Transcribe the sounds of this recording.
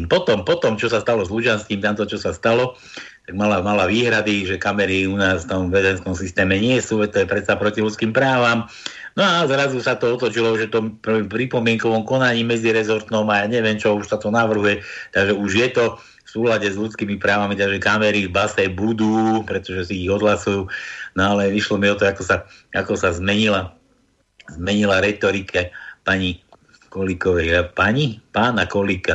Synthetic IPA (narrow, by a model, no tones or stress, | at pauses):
pɔt̪ɔmpɔt̪ɔmt͡ʃɔsast̪alɔzlud͡ʒanskiːmt̪amt̪ɔt͡ʃɔsast̪alɔ | t̪aɡmalamalaʋiːɦɾad̪iʒɛkamɛɾiunaːsft̪ɔmʋɛzɛnskɔmsist̪ɛːmɛɲɪɛsuːɛt̪ɔjɛpɾɛt̪sapɾɔcilutt͡skiːmpɾaːʋam | nɔazɾazusat̪ɔɔt̪lɔt͡ʃilɔʒɛt̪ɔmppɾipɔmɪɛŋkɔʋɔmkɔnaɲiːmɛd͡ziɾɛzɔɾt̪nɔmajaɲɛʋɪɛmt͡ʃɔuʃsat̪ɔnaʋr̩ɦujɛt̪aɡʒɛuʒjɛt̪ɔ | fsuːlaɟɛzʎut͡skiːmipɾaːʋamit̪aɡʒɛkamɛɾibasɛjbud̪uːpɾɛt̪ɔʒɛsiːɣɔd̪ɦlasujuːnɔalɛiʃlɔmiɔt̪ɔakɔsaakɔsazmɛɲila | zmɛɲilaɾɛt̪ɔɾikʰɛpaɲi | kɔlikɔʋɛjpaɲipaːnakɔlika